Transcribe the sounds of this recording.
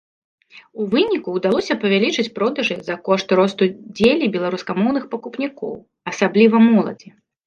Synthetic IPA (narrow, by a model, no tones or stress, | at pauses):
uvɨnʲikuːd̪alˠɔsʲɐpɐvʲalʲit͡ʂɨt͡sʲpɾɔd̪ɐʐɨzɐkɔʂt̪ɾɔst̪ud͡zʲelʲibʲɛlˠaɾuskamɔwnɨxpɐkupnʲikɔ̰w | ɐsablʲivɐmɔlˠɐ̰d͡zʲi